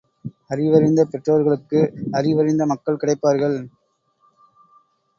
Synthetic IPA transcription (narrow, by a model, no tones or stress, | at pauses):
ɐrɪʋɐɾɪnd̪ɐpɛʈrɐʋɐɾɣɐɭɯkːɯɐrɪʋɐɾɪnd̪ɐmɐkːɐɭkɪɽɐɪpːaːɾɣɐɭ